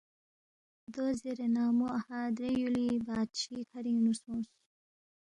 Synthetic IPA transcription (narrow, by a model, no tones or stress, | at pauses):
d̪ozeɾenaːmuahãd̪ɾejulibɑːd̪ɕikʰaɾinusõːs